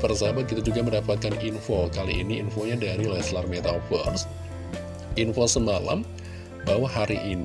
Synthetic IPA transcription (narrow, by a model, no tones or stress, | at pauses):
pərsabakit̪ud͡ʒuɡaməndapat̪̚kaninfokalḭʔiniːnfoɲadaɾilɛslarmet̪afə̰rs | infosəmala̰m | bawahɦaɾiʔini